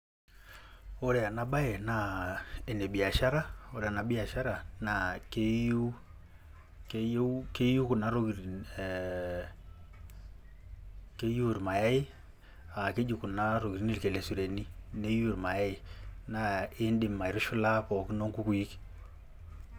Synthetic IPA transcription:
o˦ɾɛ˨a˨na˨ba˦e˨na˨e˨ne˨bi˨a˨ʃa˦ɾa˦o˦ɾa˨na˨bi˦a˨ʃa˦ɾa˨na˨ke˦ju˦ | ke˦jke˦ju˦ku˨na˦ɾo˦ki˨ɾ | ke˦ju˦˨ɾma˨ja˦ɪ˦ | a˨ke˦d͡ʒi˨ku˨na˦ɾo˨ɡi˨ɾi˨˦ni˦ɾke˨le˨su˨ɾe˨ni˦ne˦ju˦ɾma˨ja˦ɪ˨na˨ɪ˦ndɪ˨ma˨ɪ˨˦ɾʊ˦ʃu˦la˦pɔ˨ki˦no˦ŋku˦ku˨ji˦k

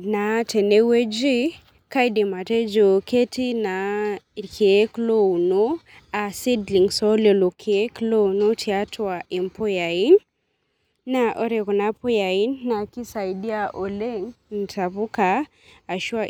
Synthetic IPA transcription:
na˨tɛ˨ne˦we˦d͡ʒi˦ | ka˦jdi˨ma˨tɛ˦d͡ʒo˨ke˦tʰi˦na˨kʰe˨e˦klo˦˨no˦ | a˨si˦dli˨ŋsɔ˦le˨lo˨kʰe˨e˦klo˦no˦tʰi˨a˦tʰwa˨ʔi˨mpʰo˦ja˨i˦n | na˨ʔɔ˦ɾɛ˨kɔ˨na˦pɔ˦ja˨i˦nːa˨ki˦sa˨jdi˦a˦ʔo˨le˦ŋn̩˨tʰa˨pu˦kaː˨ | ʃwa˦

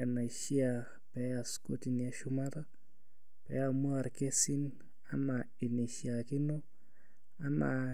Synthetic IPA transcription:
a˨na˨ʃi˦a | pɛ˦a˨sko˦ti˨ni˨a˦ʃʊ˦ma˦ɾa˦ | pɛ̰˨˦a˨mwa˨ɾke˦sɪ˦n | a˨ma | ɪ˨ni˨ʃia˨kɪ˦no˦ | a˦ma

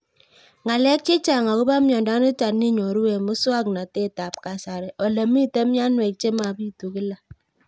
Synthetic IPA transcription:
ŋa˨lɛ˦k̚t͡ʃe˦t͡ʃa˨ŋa˨kʊ˦ba˦mjɔ˨nda˨˦nʊ˦ta˨ni˦ɲɔ˨ɾu˦we˨mʊ˦su˦a˦kna˨te˦˨ta˨p̚ka˨sa˨ɾɛ˨ʔɔ˨lə˨mi˦˨te˦mja˦nwe˨k̚t͡ʃe˦ma˨bi˦tu˨ki˦la˨

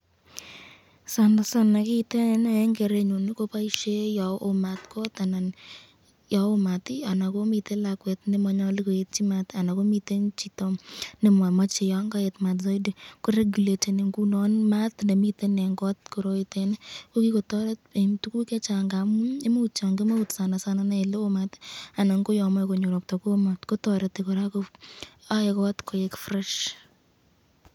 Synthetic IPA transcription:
sa˨nda˨sa˨na˨ki˦te˦nna˨ɛ˦ŋɡe˨ɾe˦ɲo˨ni˦ko˦pa˦i˦ʃe˦jɔ˨o̰˨ma˨tkɔ˦t̪a˨na˨n | jɔ˨o˦ma˨ti˦a˨na˨ko˦mi˨te˦la˨kwɛ˨tne˦mɔ˨˦ɲɔ˦li˦ko˨e˨t̚t͡ʃi˦ma˦ta˨na˨ko˦mi˦te˦nt͡ʃi˨to˦mne˦mwa˨mɔ˦t͡ʃɪ˨jɔ˦ŋɡa˦e˨tma˨tzɔ˦jdi˨ko˦ɾe˦ɡu˨le˨te˨ne˨ŋɡu˦nɔ˦nma˦tndɛ˨mi˦te˦nɛ˨ŋɡɔ˦tko˨ɾoitenko˦ki˦ko˨tɔɾɛt̚e˨mtu˦ku˦kɛ˦t͡ʃaŋɡa˨mu˦e˦mo˦ut͡ʃa˨ŋɡi˦ma˦utsa˨na˨sana˦nɛ˦˨lo˦omata˨na˨ŋko˦jɔ˨mɔ˦ko˨ɲo˨ɾɔ˨k̚tɔko˦matko˦tɔɾɛtekɔ˨ɾa˦koa˦ɪ˨kɔtkʰo˨jɛkfɾɛʃ

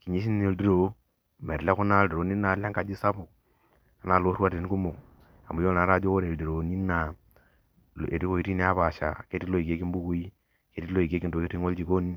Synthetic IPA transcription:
ki˨ɲi˦s̬i˦n˦e˨ldi˦ɾo˨˦ | mɛ˨ɾle˦ku˦na˦˨de˨ɾo˨ni˦na˨˦la˦ŋka˨d͡ʒi˦sa˦bu˨ | a˨na˨lo˦ɾwa˦te˨n˦ku˦mo˨k | a̰˨mbu˨jo˦na˨˦ɾa˦˨d͡ʒo˦ko˦ɾe˨ldi˨ɾo˨˦ni˦na˨ | lḛ˨ti˦ko˦i˦ɾi˦ne˦a˦βa˨ʃa̰˨ke˦ti˦lo˦i˨ke˦ki˦m˦bu˦ku˦i˦ | ke˦ti˦lo˦i˨ke˦ki˦nto˨ke˦ti˦ŋo˦ld͡ʒi˨ko˦ni˦

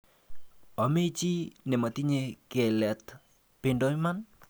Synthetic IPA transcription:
ɔ˨me˦t͡ʃi˦ne˨ma˨ti˦ɲe˦ke˨lɛ˨t | pɪ˨ndo˦i˦ma˦n

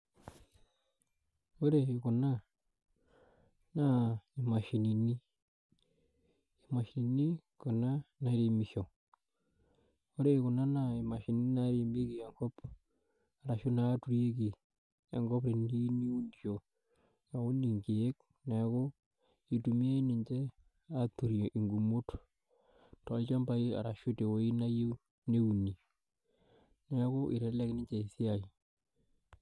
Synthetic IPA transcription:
o˦ɾe˨iko˨na˦ | nai˨ma˨ʃi˨ni˨ni˦ | i˨maʃini˨ni˦ | ko˨na˦na˨ɾimiʃo˨ | o˦ɾe˦ko˨na˦nai˨ma˨ʃi˨ni˨˦ni˦na˦ɾi˨mbe˦kie˨ŋɡo˦p | aɾaʃo˦na˦tu˦ɾie˦ki˨ | a˨ŋɡɔ˦pɾe˨ndi˦ni˦u˦n˨t͡ʃo˨ | ja˨wu˦ni˨ŋke˨je˦k | nɛ˨ko˦ | i˨tu˨mi˦a˦i˦nɪ˨ɲt͡ʃe˦ | a˦t̪ːu˨ɾjo˨ʔi˨ŋɡu˨mu˦t | tɔ˨lt͡ʃa˦mba˦i˦a̰˨ɾa˨ʃu˦te˨wo˨˦i˦na˦je˦ | ne˦u˨ni˨ | ne˦ko˦ʔi˨ɾe˨˦lɛ˦knɪ˦t͡ʃe˨i˨si˦a˨ji˨

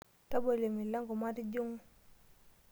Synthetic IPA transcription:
ta˦bo˨le˨mi˨la˦ŋɡo˨ma˦ti˦d͡ʒo˦ŋu˦

